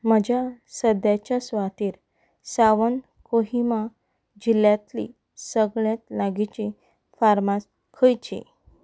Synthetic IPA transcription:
m̤əd͡ʑasəd̪jat͡ɕjasʋat̪iːɾ | saʋən | koɦima | d͡ʑiljat̪lḭ | səɡɭjat̪laɡit͡ɕi | faɾmas | kʰəjt͡ɕḭ

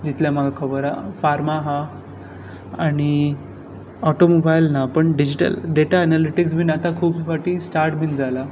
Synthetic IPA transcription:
d͡ʑit̪ljam̤aɡʱakʰəbəɾa̰faɾmaɦa | aɽ̃i | ɔʈomobajlnapəɳɖid͡ʑiʈə̰lɖeʈaənaliʈiks̬bʱiːnat̪akʰuːbifaʈiːsʈaɾʈbʱiːnd͡zala

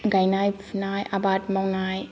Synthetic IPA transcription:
ɡajnajpʰnajabat̚mawnaj

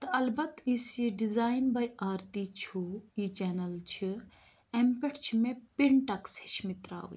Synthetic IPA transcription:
t̪ɐɐlbɐt̪isiɖizaːjnbɐjaːɾt̪it͡ʃʰujit͡ʃɛːnɐlt͡ʃʰi | ɛmpeʈʰt͡ʃʰimepiɳʈɐkshit͡ʃʰmit̪ɾa̰ːʋ̰

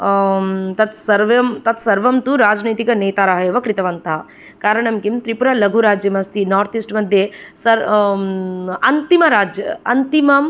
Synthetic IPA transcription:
t̪ɐt̪sɐɾʋɐmt̪ɐt̪sɐɾʋɐmt̪uɾaːd͡ʒniːt̪ikɐneːt̪aːɾaːɦɐjeːʋɐkɾit̪ɐʋɐnt̪a | kaːɾɐɳɐmkimt̪ɾipuɾaːlɐɡʱuɾaːd͡ʒjɐmɐst̪inaːɾt̪ʰisʈmɐd̪ʱjesɐɾ | ɐnt̪imɐɾaːd͡ʒjɐɐnt̪imɐm

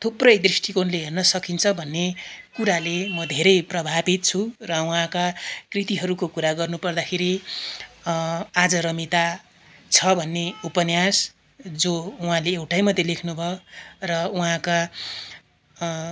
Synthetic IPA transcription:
t̪ʰuprʌjd̪risʈʰikonleɦernʌsʌkint͡sʰʌbʱʌnːekuɾalemʌd̪ʱeɾʌjprʌbʱabit̪̚t͡sʰurʌuɦãkakrit̪iɦʌɾukokuɾaɡʌrnupʌrd̪akʰeɾi | ad͡zʌɾʌmit̪a | t͡sʰʌbʱʌnːeupʌnjas | d͡zouɦãleːwʈajmʌd̪ʱjelekʰnubʱʌrʌuɦãka

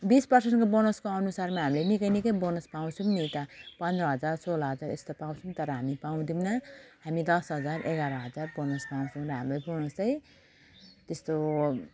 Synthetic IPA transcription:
bispʌrsenʈkobonoskoʌnusarmaɦamilenikʌjnikʌjbonʌspaw̃t͡sʰumnit̪ʌpʌnd̪rʌɦʌd͡zarsolʌɦʌd͡zaɾest̪opãw̃t͡sʰumt̪ʌɾʌɦamipaw̃d̪imnʌɦamid̪ʌsɦʌd͡zareɡaɾʌɦʌd͡zarbonʌspaw̃t͡sʰuw̃ɾʌɦamlajbonosʌj | t̪est̪o

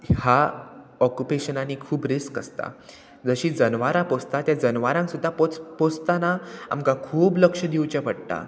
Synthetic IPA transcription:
ha | ɔkjupeɕənanikʰuːbɾeskəst̪a̰ | d͡zəɕiːd͡zənʋaɾapost̪at̪jad͡zənʋaɾãŋksud̪ʱːapopost̪anaa̰mkakʰuːbləkʂəd̪iwt͡ɕapəɽt̪a̰

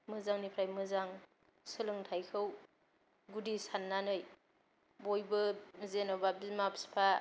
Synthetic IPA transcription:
mɯzaŋnipʰɾajmɯzaŋ | sɯlɯŋtʰajkʰɯw | ɡudisanːanɯj | bojbɯzenobabimapʰspʰa

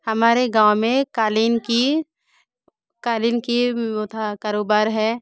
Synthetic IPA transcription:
hɐmaːɾeɡãːwmẽkaːliːnki | kaːlinkiʊt̪ʰakaːɾoːbaːɾɦɛː

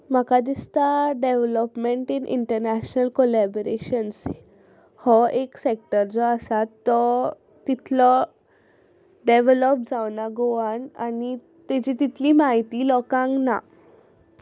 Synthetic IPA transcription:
m̤akad̪ist̪aɖeʋləpmeɳʈinʔḭɳʈəɾnæɕnəlkolæboɾeɕəns | hɔʔeksek̚ʈəɾd͡zɔəsat̪ːɔ | t̪it̪ʰlɔ | ɖeʋeləp̚d͡zaʋnaɡoʋanani | t̪ed͡ʑit̪it̪ʰliːmaɦit̪iːlɔkãŋɡna̰

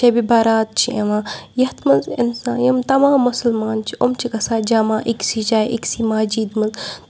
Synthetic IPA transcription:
t͡ʃɐbibɐɾaːt̪̚t͡ʃʰiʔḛʋãːjɐt̪mɐzḭnsãːjɐmt̪ɐmaːmːʊsɐlmaːnt͡ʃʰiʔomt͡ʃʰikɐsaːd͡ʒɐmaːʔiksit͡ʃaːʔḭksiːmad͡ʒiːd̪mɨz

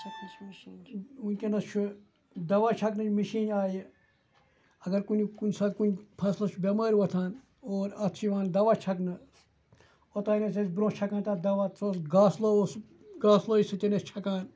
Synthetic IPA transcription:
unʲkʲenɐst͡ʃʰu | d̪ɐʋaːt͡ʃʰɐknɨt͡ʃmiʃiːnaːji | ɐɡɐɾkunʲikunʲsɐt̪kunʲpʰɐslɐt͡ʃʰubʲɐmaːɾʲʋɐt̪ʰaːn | oːɾɐt̪ʰt͡ʃʰiʋãːnd̪ɐʋaːt͡ʃʰɐknɨ | ot̪aːnet͡sesbɾõːt͡ʃʰɐkaːnt̪aːd̪ɐʋaːt͡soːsɡaːsloos | ɡaːsloːisɨt̪ʲenɐst͡ʃʰɐkãːn

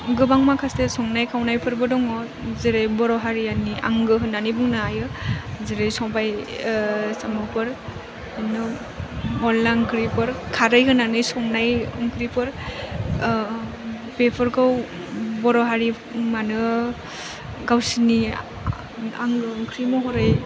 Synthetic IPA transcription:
ɡɯbaŋmakʰasesɔŋnajkʰawnajpʰɯɾbɯdɔŋɔ | zeɾejbɔɾɔɦaɾiania̰ŋɡɯɦɯnanibɯŋnɯajɯzeɾejsɔbaj | samɯpʰɯɾ | anɯ | mɔlːaŋkɾipʰɯɾkʰaɾɯjɦɯnanɯjsɔŋnajɔŋkɾipʰɯɾ | pepʰɔɾkaw | bɔɾɔɦaɾi | manɯ | ɡawsini | aŋŋkʰɾimɔɦɔɾɯj

